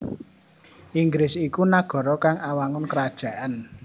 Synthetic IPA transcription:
ʔiŋɡɾɪsikunaɡ̥ɔ̤ɾɔkaŋawaŋʊnkəɾad̥ʒ̥ä̤ʔan

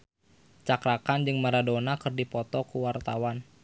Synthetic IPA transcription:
t͡ʃakɾakand͡ʒɨŋmaɾadonakɨrdipɔt̪ɔkuwart̪awan

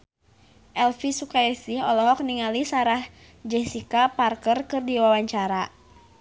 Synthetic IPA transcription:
ʔɛlfisukaisiɦɔlɔɦɔk̚niŋalisaɾah | d͡ʒɛsikaparkərkɨrdiwawaɲt͡ʃaɾa

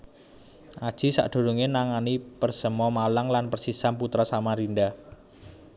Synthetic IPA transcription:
ʔad̥ʒ̥i̤sa̰ʔd̪̥o̤ɾuŋenaŋanipərsəmɔmalaŋlanpərsisamput̪ɾasamaɾinda

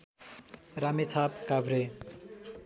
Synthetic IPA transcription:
ramet͡sʰapkabʱɾe

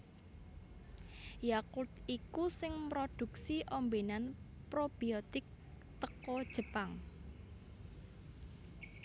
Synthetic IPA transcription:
jakut̪ikusɪŋmɾod̪̥ṳksiʔombenanpɾob̥iot̪ɪk̚ | t̪əkɔd̥ʒ̥ə̤paŋ

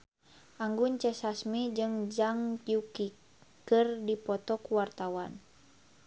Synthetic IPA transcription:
ʔaŋɡuɲt͡ʃɛsasmid͡ʒɨŋd͡ʒaŋjuki | kɨrdipɔt̪ɔkuwart̪awan

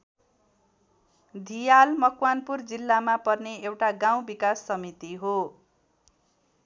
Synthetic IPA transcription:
d̪ʱijalmʌkwanpurd͡zilːamapʌrneewʈaɡaw̃bikasːʌmit̪iɦo

